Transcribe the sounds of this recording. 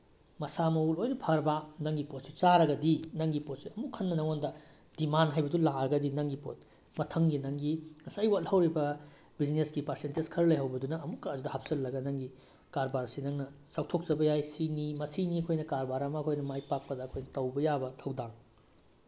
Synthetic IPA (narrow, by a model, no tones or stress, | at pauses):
mɐsamɐulojnɐpʰɐɾbanɐŋɡipot̚si̥t͡ʃaɾɐɡɐdinɐŋɡipot̚siɐmukʰːɐnːɐnɐŋondɐ | d̥imanɦajbɐdulaɾɐɡɐdinɐŋɡipo̰t̚ | mɐtʰɐŋɡinɐŋɡiŋɐsajwatlhɐwɾibɐ | bid͡ʒnesɡipɐɾsenteskʰɐɾlɐjɦɐwbɐdunɐɐmukːɐːdudɐhap̚sɐlːɐɡɐnɐŋɡi | kaɾbaɾsinɐŋnɐsawtʰok̚t͡ʃɐbɐjajsinimɐsiniɐkʰojnɐkaɾbaɾamɐɐkʰojnɐmajpak̚pɐdɐːkʰojnɐtɐwbɐjabɐtʰɐwdaŋ